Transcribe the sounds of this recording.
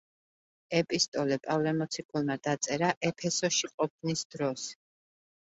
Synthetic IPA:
ɛpʼist̪ʼɔlɛpʼavlɛmɔt̪sʰikʼulˠmad̪at̪sʼɛɾaʔɛpʰɛsɔʃiqʼɔp̚ʰnisd̪̥ɾɔs

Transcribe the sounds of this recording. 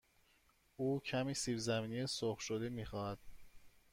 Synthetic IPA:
uːcʰæmiːsiːfzæmiːnijesoχʃod̪emiːxɒːhæd̪̥̚

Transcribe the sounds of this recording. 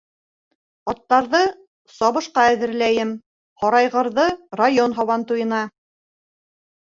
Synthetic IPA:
ɒt̪ːɑɾðɤ | sɒβɤ̆ʃqɑæðɘ̆ɾlæjɘm | hɒɾɑjʁɤ̆ɾðɤrajonɦɑwɑnt̪ujɤ̆nɑ

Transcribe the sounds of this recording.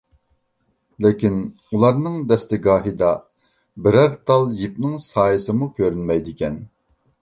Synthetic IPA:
lɪkʲin | ulˠɑɾnɨŋd̪ɛst̪ɪɡɑːɦid̪ɑ | bɪɾæɾt̪ʰɑlˠjip̚nɪŋsɑːjɨsɨmukʲʰøɾynmɛjd̪ɪkʲɛn

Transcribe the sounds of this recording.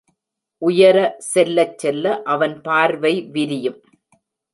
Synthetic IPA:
ʔʊjɐɾɐsɛlːɐt͡ʃːɛlːɐʔɐʋɐnpaːɾʋɐɪʋɪɾɪjɯm

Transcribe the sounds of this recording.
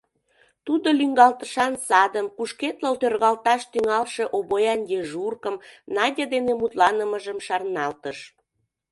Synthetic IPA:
t̪ud̪olyŋɡɑlt̪ə̥ʃɑnsɑd̪əmkuʃket̪ləlt̪ørɣɑlt̪ɑʃt̪yŋɑlʃeʔobojɑnj̪eʒurkəmnɑdʲed̪enemut̪lɑnəməʒəmʃɑrnɑlt̪əʃ

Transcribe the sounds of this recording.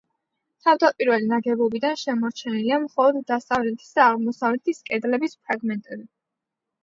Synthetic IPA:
t̪ʰavd̪apʼiɾvɛlinaɡɛbɔbid̪anʃɛmɔɾt͡ʃʰɛniliamχɔlˠɔd̪ːasavlɛt̪ʰi̥sd̪aːʁmɔsavlɛt̪ʰiskʼɛd̪lɛbispʰɾaɡmɛnt̪ʼɛbi

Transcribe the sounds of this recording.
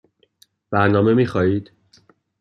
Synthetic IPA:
b̥æɾnɒːme̞miːxɒːiːd̪̥

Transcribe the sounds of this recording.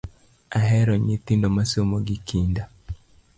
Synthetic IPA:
aɦɛɾɔɲit̪indɔmasomoɡikʰinda

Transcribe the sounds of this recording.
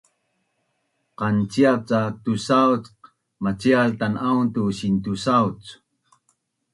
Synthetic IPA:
qant͡siat͡sat̪usawt͡sq | mat͡sialt̪anaunt̪uɕint̪usawt͡s

